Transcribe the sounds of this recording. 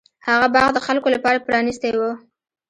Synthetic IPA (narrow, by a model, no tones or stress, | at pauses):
haɣabɑɣd̪əxalkolapɑɾapɾɑnist̪ewə